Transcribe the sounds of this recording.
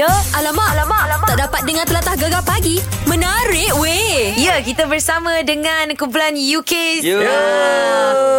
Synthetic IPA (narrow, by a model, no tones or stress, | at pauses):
əʔalamaʔalamalataaʔdapat̪̚dəŋant̪əlat̪ahɡaɡapaɡi | mə̃naɾɪʔ̚weijəkit̪əbərsamə̃dəŋãnkump̬ulanjukes